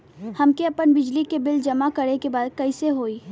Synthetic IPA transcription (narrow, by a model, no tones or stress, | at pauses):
hɐmkeɐpənbɪd͡ʒlikebɪld͡ʒɐmakɐɾekebaːd̪̚kɐiseɦoːiː